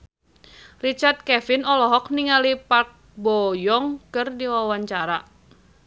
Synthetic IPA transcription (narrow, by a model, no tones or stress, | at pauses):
rit͡ʃart̪̚kɛfɪnɔlɔɦɔk̚niŋalipak̚bɔjɔŋkərdiwawaɲt͡ʃaɾa